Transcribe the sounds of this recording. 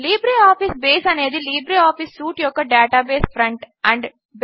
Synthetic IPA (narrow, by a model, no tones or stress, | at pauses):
liːbɾiɔːfisbeːsɐneːd̪iliːbɾiɔːfisːuːʈjoːkɐɖeːʈaːbeːsfɾɐ̃ɳʈ | æ̃ɳɖ | b